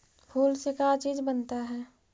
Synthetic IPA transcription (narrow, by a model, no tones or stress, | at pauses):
pʰuːlsekat͡ʃiːd͡ʒbənt̪aɦɛː